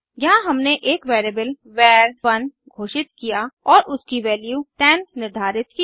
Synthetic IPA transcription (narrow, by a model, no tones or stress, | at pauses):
jɐɦãɦɐmneʔeːkʋeːɾeːbəl | ʋɛːɾʋɐn | ɡʱoːʃɪt̪kijaɔːɾʊskiʋɛːljuːʈɛːnːɪɾd̪ʱaːɾɪt̪ki